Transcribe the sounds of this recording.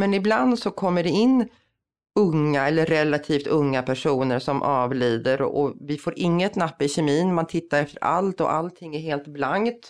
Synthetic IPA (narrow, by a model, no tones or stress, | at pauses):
mɛnɪbland̪sɔkʰɔmːəɖɛɪnː | ɵŋːaɛlːəɾːɛlːat̪ʰiːft̪ɵŋːapʰæʂuːnəɾʂɔmʔɑːvliːd̪əɾɔ̰vɪfoːɾʔɪŋːət̪napːɪɕɛmiːnmant̪ʰɪt̪ːaɾɛft̪əɾa̰lt̪ɔ̰ʔa̰lt̪ʰɪŋːæɾɦeːlt̪blaŋt̪